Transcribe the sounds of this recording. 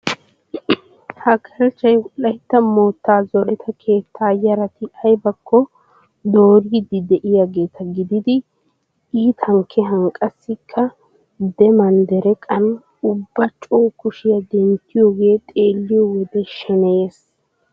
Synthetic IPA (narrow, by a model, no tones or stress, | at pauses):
hɐkʰɐɾɛt͡ʃːɐjwʊʔɐjt̪ːɐmoːt̪ːaːzɔɾɛt̪ʰɐkʰe̞ːt̪ʰːaːjɐɾɐt̪ɪɐjbɐkʰːɔ | d̪o̞ːɾiːd̪ɪd̪ɛʔɪjaːɡe̞ːt̪ʰɐɡɪd̪ɪd̪ɪ | iːt̪ʰɐŋkʰːɛɦɐŋkʼːɐsːɪkʰːɐ | d̪ɛmɐnd̪ɛɾɛkʼɐn | ʊbːɐt͡ʃʼoːkʊʃɪjɐd̪ɛnt̪ːɪjoːɡe̞ːt̪ʼe̞ːlːɪjɔwɔd̪ɛʃɛnɛjes